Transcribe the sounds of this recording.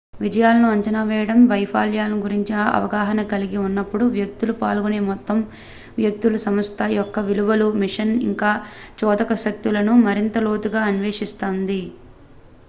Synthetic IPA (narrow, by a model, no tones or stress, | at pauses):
ʋid͡ʒɐjaːlɐnuɐɲt͡ʃɐnaːʋɛːjɐɽɐmʋɐjpʰaːljaːlɐnuɡuɾiɲt͡ʃinɐɐ̰ʋɐɡaːɦɐnɐkɐliɡiunːɐpːuɽuʋjɐk̚t̪ulupa̰ːlɡuneːmɔt̪ːɐm | ʋjɐk̚t̪ulɐsɐmɐst̪ʰɐjɔkːɐʋiluʋɐlumiʂɐnḭŋkaːt͡ʃɔːd̪ɐkɐʃɐk̚t̪ulɐnumɐɾint̪ɐloːt̪uɡaːɐnʋeːʂist̪oːnd̪i